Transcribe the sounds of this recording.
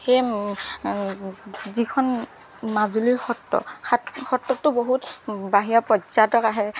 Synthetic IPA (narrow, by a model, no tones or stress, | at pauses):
xej | zikʰɔn | mazuliɹxɔtːɔ̰axɔtːɔtːʊboɦutbaɦijapɹɔzatɔkaɦɛ